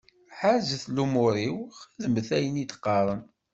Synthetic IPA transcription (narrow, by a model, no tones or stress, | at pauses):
ħazəθlumʊɾiwæðəməθæjənit̪qːɑɾˤəm